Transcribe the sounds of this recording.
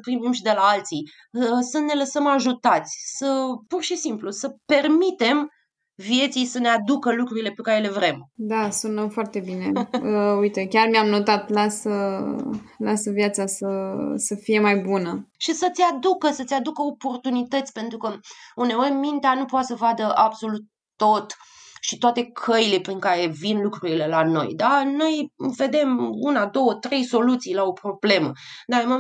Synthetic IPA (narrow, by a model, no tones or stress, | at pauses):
səpɾimimʃid̪e̞laalt̪si | səne̞ləsəmaʒut̪at̪sʲsəpurʃisimplusəpe̞rmit̪e̞m | vije̞t̪sijsəne̞ad̪ukəlukɾuɾile̞pe̞kaɾe̞le̞vɾe̞md̪asunəfoart̪e̞bine̞əujt̪ekʲarmiamnot̪at̪lasə | lasəvjat̪sasəsəfije̞majbunəʃisət̪sʲad̪ukəsət̪sʲad̪ukəo̞po̞rt̪unit̪ət̪sʲpe̞nt̪ɾukəund̪e̞orʲmint̪eanupoat̪səvad̪əʔabso̞lut̪̚ːo̞t̪ʃit̪oat̪e̞kʰəjile̞pɾiŋkaɾe̞vinlukɾuɾile̞lano̞̰jd̪ano̞jve̞d̪e̞munad̪o̞wət̪ɾe̞jso̞lut̪sijlao̞pɾo̞ble̞mə̰d̪aemo